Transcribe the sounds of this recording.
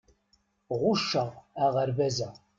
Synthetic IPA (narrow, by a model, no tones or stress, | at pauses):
ʁʊʃːəʁæʁəɾvæzæ